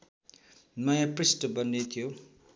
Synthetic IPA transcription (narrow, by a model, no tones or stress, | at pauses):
mʌjãprisʈbʌnːet̪ʰjo